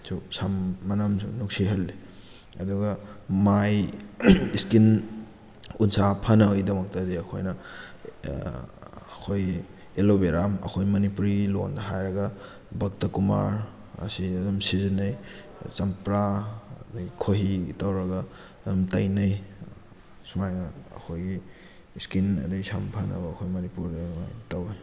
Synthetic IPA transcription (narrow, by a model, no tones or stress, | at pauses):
susamːɐnɐmnuk̚siɦɐlːi | ɐduɡɐmaj | iskin | unsapʰɐnɐjdɐmɐk̚tɐdiɐkʰo̰jnɐ | kʰoj | elobeɾamɐ̰kʰojmɐnipuɾilo̰ndɐɦajɾɐɡɐ | bɐk̚tɐkuma̰ɾ | ɐ̰siɐdumsizinɐj | t͡ʃɐmpɾadɐɡikʰoɦitɐwɾɐɡɐ | dumtɐjnɐj | sumajnɐɐ̰kʰojɡi | skinɐ̰dɐɡisampʰɐnɐ̰bɐːkʰojmɐnipuɾdɐma̰jtɐwj